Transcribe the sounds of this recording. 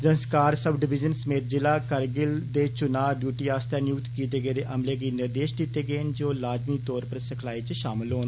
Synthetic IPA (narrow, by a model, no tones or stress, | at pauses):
d͡ʒənskaːɾsəbɖɪbɪd͡ʒənsəmeːt̪̚d͡ʒɪlaːkəɾɡɪld̪eːt͡ʃʊnaːɖjuːʈiːaːst̪ɛːnjʊkt̪kiːt̪eːɡəeːd̪eːʔəmleːɡiːnɪɾd̪eːʃd̪it̪eːɡəeːnd͡ʒoːlaːd͡ʒmiːt̪ɔːɾpəɾsəkʰlaːiːt͡ʃʃaːmɪlɦoːn